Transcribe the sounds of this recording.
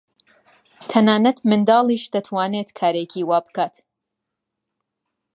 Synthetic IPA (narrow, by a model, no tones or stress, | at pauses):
t̪ʰɐnaːnɐt̪mɨnd̪ɑːlˠiːʃd̪ɐt̪ʰwaːneːt̪kʰaːɾekʰiːwaːbɨkʰaːt̪